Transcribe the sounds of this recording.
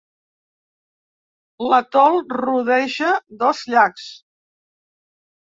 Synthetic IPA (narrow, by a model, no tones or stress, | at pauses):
lət̪ɔlˠruðɛʒəðɔzʎaks